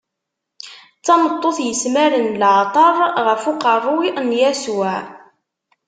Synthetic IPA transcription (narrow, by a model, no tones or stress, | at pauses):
t͡sːɑmət̪ˤːoθjəsmæɾənlʕt̪ˤɑɾˤʁəfuqɑrˤːʊiʔnjæswæ